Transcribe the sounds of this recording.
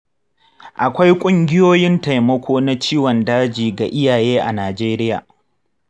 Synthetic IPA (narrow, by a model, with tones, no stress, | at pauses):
ʔa˨kʷa˦jkʷʼʊ˦ŋɡʲɪ˦joː˦jɪ˦nta˨jmɐ˦kʷoː˦na˦t͡ʃiː˦wɔ˨ndaː˦d͡ʒiː˨ɡa˨ʔɪ˦jaː˨jeː˦ʔa˨naː˨d͡ʒeː˦ɾɪ˦jaː˨